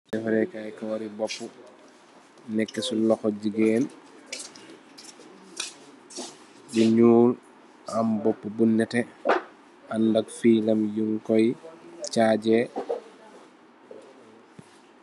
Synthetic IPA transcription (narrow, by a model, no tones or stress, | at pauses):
sɛfɛɾɛkajkawaɾibɔpːu | nɛkːɛsulɔxɔd͡ʒiɡɛːn | buɲuːl | ʔambɔpːubunːɛtɛ | ʔandaɡfiːlamjuŋkɔjt͡ʃaːd͡ʒɛ